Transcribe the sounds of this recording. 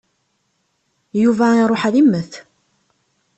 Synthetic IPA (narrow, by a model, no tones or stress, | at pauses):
juvæiɾˤoħæðimːəθ